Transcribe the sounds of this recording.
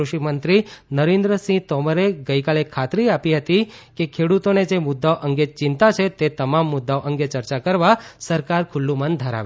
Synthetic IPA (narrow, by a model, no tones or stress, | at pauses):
ɾuʃimənt̪ɾinəɾend̪ɾəsĩt̪ɔməɾeɡəikalekʰːat̪ɾiapiɦət̪ikekʰeɽut̪oned͡ʒemʊd̪ːaoʔəŋɡet͡ʃɪnt̪at͡ʃʰet̪et̪əmamːʊd̪ːaoʔəŋɡet͡ʃəɾt͡ʃakəɾʋasəɾkaɾkʰʊlːũmə̃nd̪ʱəɾa̰ʋe